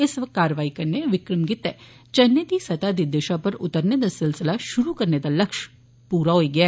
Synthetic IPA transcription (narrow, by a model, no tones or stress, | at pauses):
ɪsʋət̪kaːɾʋaːikɐɾneʋɪkɾəmɡɪt̪ɛː | t͡ʃɐnːed̪isɐt̪ad̪id̪eːʃapɐɾʊt̪əɾned̪asɪlsɪlaʃʊɾukɐɾned̪alɐkʃ | puːɾaɦoiɡɪaː